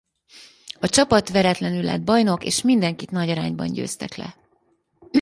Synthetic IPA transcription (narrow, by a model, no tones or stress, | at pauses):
ɒt͡ʃɒpɒt̪ʋɛɾɛt̪lɛnylːɛ̰d̪̚bɒjno̞kḛːʃmind̪ɛŋkit̪nɒɟɒɾa̰ːɲbɒ̰nɟø̰ːst̪ɛklɛ̰